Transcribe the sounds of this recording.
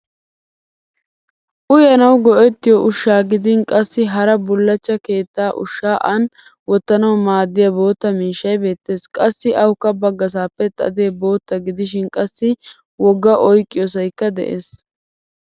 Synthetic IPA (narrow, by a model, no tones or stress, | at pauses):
ʔʊjɐnɐwɡɔʔɛt̪ːɪjɔʔʊʃːaːɡɪd̪ɪnkʼɐsːɪɦɐɾɐbʊlːɐt͡ʃːɐke̞ːt̪ːaːʔʊ̰ʃːaːʔɐn | wɔt̪ːɐnɐwmaːd̪ːɪjɐbo̞ːt̪ːɐmiːʃːɐjbe̞ːt̪ːe̞ːskʼɐsːɪʔɐwkːɐbːɐɡːɐs̬aːpːɛt̪ʼːɐ̰d̪eːbo̞ːt̪ːɐɡɪd̪ɪʃɪnkʼɐsːɪ | wɔɡːɐʔɔjkʼːɪjɔs̬ɐjkːɐd̪ɛ̰ʔḛːs